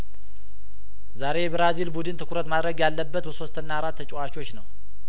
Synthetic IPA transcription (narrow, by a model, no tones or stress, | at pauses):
zaɾe̞bɾazilbud̪ɨnt̪ʰɨkʰuɾət̪mad̪ɾəɡjalːəbːət̪bəso̞st̪ʰɨnːaɾat̪ʰːət͡ʃʼɛwat͡ʃot͡ʃːnəw